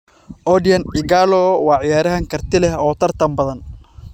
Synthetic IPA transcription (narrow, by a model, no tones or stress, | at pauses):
ʔɔdɪjɐnɪɡaːlɔwɑːʕɪjaːɾɐɦɐŋkʰɐrt̪ʰɪlɛhɔːt̪ʰɐrt̪ʰɐmbɐðɐn